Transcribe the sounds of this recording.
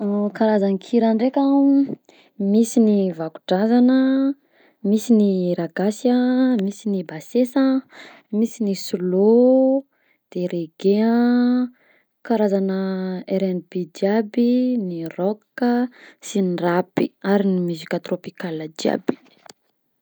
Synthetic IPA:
kaɾazanikʰiɾanɖ͡ʐekʲa | misinivaku̥ɖ͡ʐazanə | misiniɾaɡasəmisinibasesə | misinisulo | d̪̥eɾeɡea | kaɾazanəeɾɛnbid͡ʒiabinirɔkːəsinrapiaɾinimuzikʲat̪ropikaləd͡ʒia̰bi̥

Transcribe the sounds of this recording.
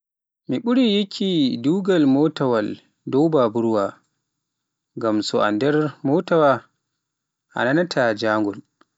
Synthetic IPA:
miɓuɾijikʲʰiduːɡalmɔtawal | dɔwbabuɾwa | ŋɡamsɔʔa̰ndɛɾmɔtawa | ʔa̰nanatʰad͡ʒaŋɡɔl

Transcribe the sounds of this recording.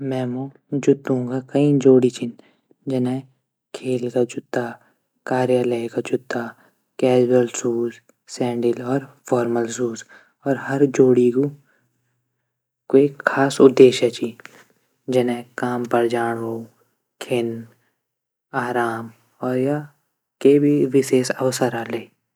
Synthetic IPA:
mɛ̃ːmõ | d͡ʒʊt̪ːũkakɐĩd͡ʒoːɽit͡ʃʰɪn | d͡ʒɐnɛ̃ | kʰeːlkad͡ʒʊt̪ːa | kaːɾjaləjkad͡ʒʊt̪ːa | kɛːd͡ʒɾəlsuːz | sɛ̃ːɳɖɪlɔːɾfʰɔːɾməlsuːz | ɔːɾɦɐɾd͡ʒoːɽiku | koekʰːaːsʊd̪ːeːʃɛt͡ʃi | d͡ʒɐnɛ̃kaːmpəɾd͡ʒaːɽ̃ɦoː | kʰɪn | aːɾaːm | ɔːɾja | kebʱiʋɪʃeːsəʋsəɾaːle

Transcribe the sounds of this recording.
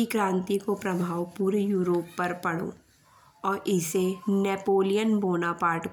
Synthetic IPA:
ikɾãːnt̪ikopɾɐbʱaːwpuːɾejuːɾoːpːɐɾpɐɽo̰ː | ɔːɾɪsenɛːpoːlijənboːnapaːɾʈk

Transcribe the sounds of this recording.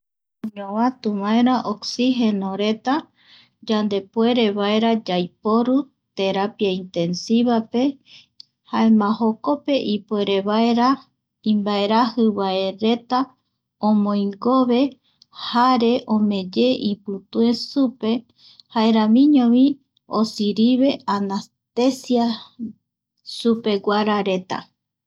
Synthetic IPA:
õɲõβãt̪uβaeɾaʔoksiɦenoɾe̞t̪a | d͡ʒand̪e̞pwe̞ɾe̞βaeɾad͡ʒajpo̞ɾu | t̪e̞ɾapiaint̪e̞nsiβape̞ | haemãhoko̞pe̞ʔipue̞ɾe̞βaeɾa | ĩmbae̞ɾahɨβae̞ɾe̞t̪a | õmõjŋɡoβe̞ | haɾe̞ʔõmẽ̞d͡ʒe̞ʔipɨt̪uesupe̞ | haeɾãmĩɲõβĩ | osiɾiβe̞anas | t̪esia | supe̞ɡaɾaɾe̞t̪a̰

